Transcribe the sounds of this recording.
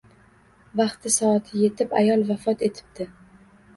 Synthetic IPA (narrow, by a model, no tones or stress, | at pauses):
vɑχt̪ʰɪsɒat̪ʰɪje̞t̪ʰɪpa̰jɒlˠvafɒt̪ʰe̞t̪ʰɪ̥p̚d̪̥ɪ